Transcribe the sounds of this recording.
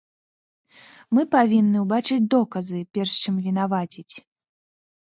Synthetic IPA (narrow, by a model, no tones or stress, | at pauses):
mɨpavʲinːɨwbat͡ʂɨd͡zʲd̪ɔkɐzɨpʲɛrʂt͡ʂɨmvʲinavat͡sʲit͡sʲ